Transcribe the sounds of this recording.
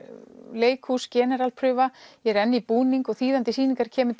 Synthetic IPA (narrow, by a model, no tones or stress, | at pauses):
leːjkhuscɛːnɛɾalpʰɾʏːvajɛɾɛnːɪipuːniŋkɔɣθiːðant̪ɪsiːniŋkaɾ̥cʰɛːmʏ